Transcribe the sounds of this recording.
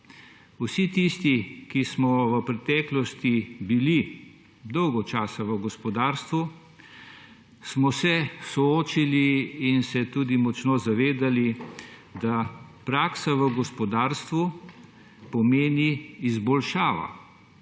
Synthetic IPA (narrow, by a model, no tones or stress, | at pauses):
usit̪ist̪ikismɔʋəpɾɛt̪ɛːklɔst̪ibili | d̪ɔwɡɔt͡ʃaːsaʋəɡɔspɔd̪aːɾst̪ʋu | smɔsɛsɔoːt͡ʃiliːnsɛt̪uːd̪imɔt͡ʃnozaʋeːd̪alid̪apɾaːksaʋəɡɔspɔd̪aːɾst̪ʋu | pɔmeːniːzbɔlʃaːʋa̰